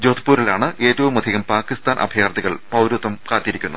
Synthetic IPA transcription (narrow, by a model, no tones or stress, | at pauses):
d͡ʑoːd̪ʰʱi̥puːɾilaːɳɨʔe̞ːtːɐʋumɐd̪ʱiɣɐmpaːkːist̪aːnʔɐ̰bʱjaːrd̪iɣɐɭpɐwɾut̪ːɐmkaːt̪ːjiɾikʲːunɐ